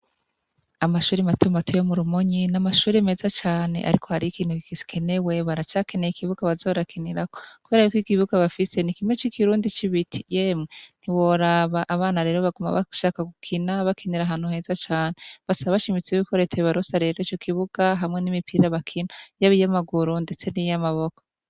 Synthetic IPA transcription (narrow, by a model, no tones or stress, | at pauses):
amaʃuːɾimatumatʰujomuɾumoɲinamaʃuːɾime̞ːzat͡ʃaːne̞̰ʔa̰ɾikʰohaɾiikiːn̥hukikikʰe̞ne̞we̞βaɾat͡ʃake̞ne̞jikʰiβuɡaβazo̞ɾakʰiniɾakokuβe̞ːɾajukikiβuɡaβafise̞nikimŋet͡ʃikiɾuːndit͡ʃiβitʰi̥jeːmŋen̥iwoɾaβaʔːβaːnaɾe̞ːɾo̞βaɡuma̰βa̰ʃaːkaɡukʰinaβakʰiniɾaɦaːn̥huhe̞ːzat͡ʃaːneβasaβaβaʃimit͡seiβikʰoɾe̞tʰeβaɾosaɾe̞ɾoit͡ʃo̞kʰiβuɡ̥aɦamŋe̞nimipʰiɾaβakʰinajaβijamaɡuɾunde̞t͡se̞nijamaβo̞ko